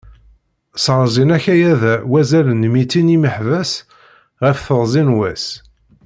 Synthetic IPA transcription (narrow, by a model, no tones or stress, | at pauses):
sʁɾˤzinæçæjæðæwæzælənmit͡sːiniməħvæs | ʁəfθəʁzinwæs